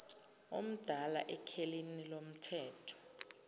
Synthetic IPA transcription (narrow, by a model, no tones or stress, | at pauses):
o̰m̩d̥ʱala̰ʔɛkʰelinilom̩tʰɛːtʰɔ̥